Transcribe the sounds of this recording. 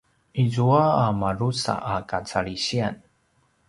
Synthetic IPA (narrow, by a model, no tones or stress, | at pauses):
izuaːmaɾusa̰ʔakat͡saɭiɕian